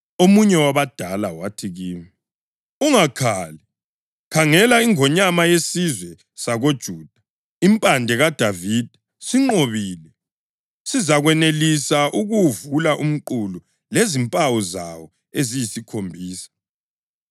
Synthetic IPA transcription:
omuɲɛwaβad̥ʱalawatʰiɣiːmi | uŋakʰali | kʰaŋɛlaiŋɔɲamajesizwɛ | saɣod̥ʒ̥ʱuːd̥ʱḁ | impʼandʱɛɣad̥ʱavid̥ʱɛ | siŋ͡ǃoβiːlɛ | sizaɣwɛnelisaʔuɣuvulaʔum̩ǃulu | lezimpʼawɔza̰wɔ | ezijisikʰombʱiːsḁ

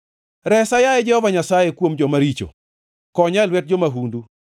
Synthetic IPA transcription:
ɾɛsajajɛd͡ʒɛhɔvaɲasajekwomd͡ʒɔmaɾit͡ʃo̰ | kɔɲalwɛt̚d͡ʒomaɦundu

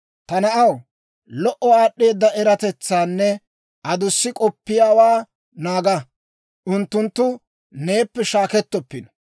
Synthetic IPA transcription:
t̪ɐnɐʔɐw | lɔʔɔaːɗːe̞ːd̪ːɐʔɛɾɐt̪ɛt͡sːaːnːɛ | ʔɐd̪ʊsːɪkʼɔpːɪjaːwaː | naːɡɐ | ʔʊnt̪ːʊnt̪ːʊ | ne̞ːpːɛʃaːkɛt̪ːɔpːɪnɔ̥

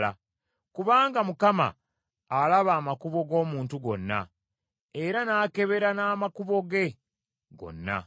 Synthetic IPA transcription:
a | kuβaːŋɡamukama̰ː | laβaːmakuβo̞ɡo̞ːmuːntuɡo̞̰nːa̰ | eɾanaːke̞βe̞ɾanaːmakuβo̞ɡe̞ | ɡo̞̰nːa̰

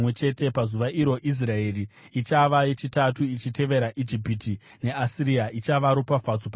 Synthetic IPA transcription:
we̞t͡ʃe̞te̞pazuʋaʔiɾo̞ʔis̬rae̞ri | it͡ʃaʋaje̞t͡ʃitatuit͡ʃite̞ʋe̞ɾaʔid͡ʒipiti | ne̞asiɾiait͡ʃaʋaɾopafat͡sop

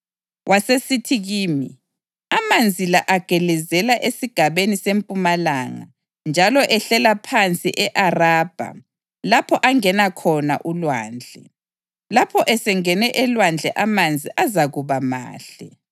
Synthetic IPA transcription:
wʔasesitʰiɣiːmi | amand͡zʱilaʔaɡ̥ʱɛlɛzɛlaʔesiɡ̥ʱaβenisempʼumalaŋa̰ | nd͡ʒʱalɔʔɛɬɛlapʰant͡sʼḭʔɛʔaraːb̥ʱa̰ | lapʰɔʔaŋɛnakʰɔna̰ʔulwa̰ːnd͡ɮʱɛ | lapʰɔʔɛsɛŋɛnɛʔɛlwand͡ɮʱɛʔamand͡zʱiʔazaɣuβama̰ːɬɛ

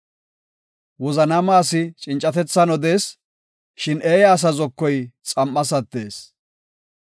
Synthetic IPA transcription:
wɔzɐnɐmaːsɪt͡ʃʼɪnt͡ʃʼːɐt̪ɛt͡sːɐnɔd̪e̞ːs | ʃɪneːjaːs̬ɐzɔkːɔjt͡sʼɐmːɐs̬ɐt̪ːe̞ːs

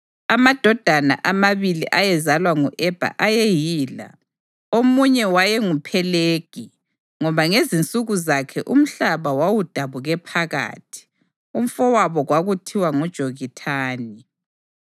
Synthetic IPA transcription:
amad̥ʱɔd̥ʱana̰ʔamaβiliʔajɛzalwaŋuʔɛb̥ʱa̰ʔajejiːla̰ | omuɲɛwajɛŋupʰɛleːɡ̥ʱi | ŋɔβaŋezint͡sʼuɣuzakʰɛʔum̩ɬaβawawud̥ʱaβuɣɛpʰaɣa̰ːtʰi̥ | um̩fɔwaβɔɣwaɣutʰiwaŋɔd̥ʒ̥ʱoɣitʰaːni

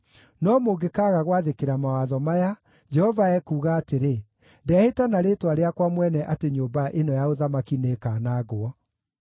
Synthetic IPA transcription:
nɔmoɡekaɣaɣwaðekeɾamawaðɔmaja | d͡ʒɛhɔvaɛkuːɣaːteɾe | ndɛɛhetanaɾetwaɾeakwamwɛnɛʔateɲoːmbaʔenɔjaoðamakinekaːnaːɣoɔ

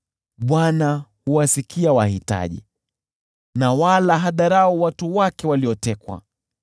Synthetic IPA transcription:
ɓwanahuwasikiawahita̰ʄḭ | nawalaɦaɗaɾaɔwatuwakɛwaliɔtɛkwa̰

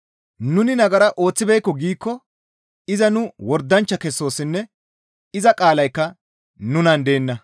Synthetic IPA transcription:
nʊnɪnɐɡɐɾɐʔo̞ːt͡sːɪbɛjkːɔɡiːkːɔ | ɪzɐnʊwɔɾd̪ːɐnt͡ʃːɐkɛsːo̞ːsɪnːɛ | ɪzɐkʼaːlɐjkːɐ | nʊnɐnd̪e̞ːnːɐ

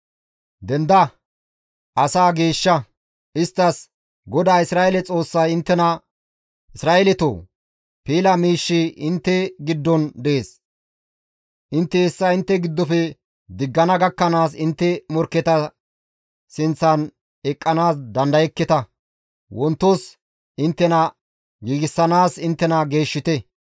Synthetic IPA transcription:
d̪ɛnd̪ɐ | ʔɐsaːɡeːʃːɐ | ɪst̪ːɐs | ɡɔd̪aːɪsɾaːʔelɛt͡sʼo̞ːsːɐjɪnt̪ːɛnɐ | ʔɪsɾaːʔɛlɛt̪o̰ː | piːlɐmiːʃːiʔɪnt̪ːɛɡɪd̪ːɔnd̪ɛeːs | ʔɪnt̪ːɛɛsːɐɪnt̪ːɛɡɪd̪ːɔpɛ | d̪ɪɡːɐnɐɡɐkːɐnaːs̬ɪnt̪ːɛmɔɾkːɛt̪ɐ | sɪnt͡sːɐn | ɛkʼːɐnaːsd̪ɐnd̪ɐjɛkːɛt̪ɐ | wɔnt̪ːos | ʔɪnt̪ːɛnɐ | ɡiːɡɪsːɐnaːsɪnt̪ːɛnɐɡe̞ːʃːɪt̪ɛ

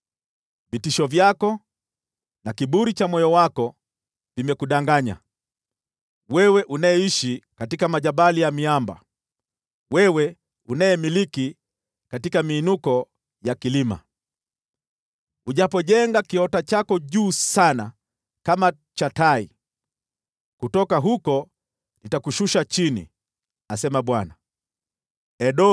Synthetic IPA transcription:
vitiʃɔvjakɔ | nakiɓuɾit͡ʃamwɔjɔwakɔ | vimɛkuɗaŋɡaɲa̰ | wɛwɛʔunaɛiʃikatikamaʄaɓalijamiamba̰ | wɛwɛ | unajɛmiliki | katikamiːnukɔ | jakilima̰ | uʄapɔʄɛŋɡakiɔtat͡ʃakɔʄuːsana̰ | kama | t͡ʃatai | kutɔkaɦukɔ | nitakuʃuʃat͡ʃinḭ | asɛmaɓwana | ɛɗɔ

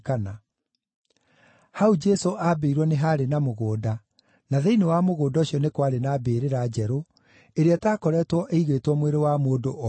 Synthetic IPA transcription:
kana | haud͡ʒɛsoʔabeiɾwɔneɦaːɾenamoɣoːda | naðeinewamoɣoːdaoɕiɔnekwaɾenaːbeːɾeɾad͡ʒɛɾo | eɾeɛtaːkɔɾɛtwɔʔeiɣweːtwɔmweɾewamoːdoʔɔ

